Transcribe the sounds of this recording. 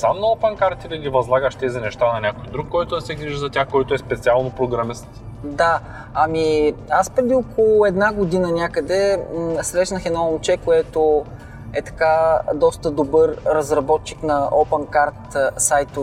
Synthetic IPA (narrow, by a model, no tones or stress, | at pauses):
samnɐɔpɛnkaɾt̪id̪ɐɡ̪ʲivɐzlˠaɡəʃt̪ɛzɐnɛʃt̪anɐnʲakojd̪ɾukːɔjt̪od̪ɐsɛɡɾiʒzɐt̪ʲaxkɔjt̪oɛspɛt̪sialˠnopɾoɡɾɐmist̪d̪a | ɐmiaspɾɛd̪iokolˠʊɛd̪naɡod̪inənʲakəd̪ɛsɾɛʃnəxɛnɔont͡ʃɛkoɛt̪o | ɛt̪ɐ̥kad̪ɔst̪əd̪obɤɾɾɐzɾɐbɔt̪t͡ʃiknɐɔpɛnkaɾt̪sajt̪o